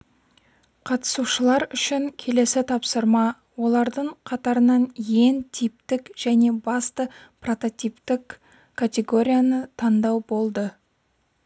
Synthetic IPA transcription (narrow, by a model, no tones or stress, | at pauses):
qʰɑt̪ə̥suʃəlˠɑɾʏʃɪŋkʲʰe̞le̞sɪt̪ʰɑpsəɾmɑ | wo̞lˠɑɾd̪əɴqʰɑt̪ɑɾənɑnje̞nt̪ʰip̚t̪ɪkʒ̥æne̞bɑst̪ə | pro̞t̪o̞t̪ʲijpt̪ɪkʰː | at̪ʲe̞ɡo̞ɾʲijanət̪ʰɑnd̪ɑwbo̞lˠd̪ə